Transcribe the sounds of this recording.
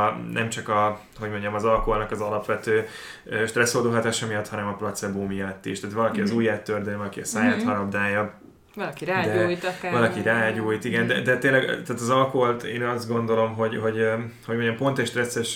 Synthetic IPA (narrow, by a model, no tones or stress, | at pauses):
nʔɛ̰mt͡ʃɒkɒ | ho̞ɟmo̞ɲɟɒmɒzɒlkoɦolnɒkɒzɒlɒpʋɛt̪øː | øʃt̪rɛshod̪oːɦɒt̪aːʃɒmijɒt̪hɒnɛmɒprot̪sɛboːmijɒt̪ːiʃt̪aːt̪vɒlɒkiɒzuːjaːt̪ːørd̪øːvɒlɒkiɒsaːjaːt̪hɒɾɒbd̪aːjɒ | ɒlkiɾad̪ɛjt̪vɒlɒkiɾaːɟuːjt̪iɡɛnd̪ɛd̪ɛt̪eːnlɛɡt̪aːt̪ɒzɒlkoɦolt̪eːnɒzd̪ɡo̞nd̪o̞lo̞mɦo̞ɟɦo̞ɟ | hoɟmoɲɟɒmpo̞nt̪ɛcʃt̪rɛsːɛʃ